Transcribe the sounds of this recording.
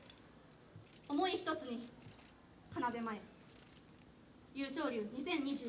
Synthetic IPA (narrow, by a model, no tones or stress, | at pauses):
o̞mo̞içi̥t̪o̞t͡sɨɲ̟i | kanad̪e̞mae | jɯ̟ːɕo̞ːɾʲɯːɲ̟isẽ̞ɲ̟ːiʑɨː